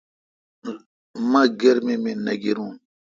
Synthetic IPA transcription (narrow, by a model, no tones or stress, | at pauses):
mãɡeɾmemenaɡiɾũ